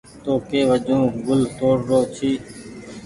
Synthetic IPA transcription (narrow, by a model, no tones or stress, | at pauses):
t̪oːkeːʋəd͡ʒũːɡʊlt̪oːɾːoːt͡ʃʰiː